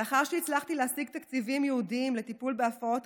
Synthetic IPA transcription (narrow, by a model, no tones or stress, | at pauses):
eaχaʁʃeit͡slaχt̪ileasiɡ̚t̪akt͡sivimjeudimle̞t̪ipulbeafao̞t̪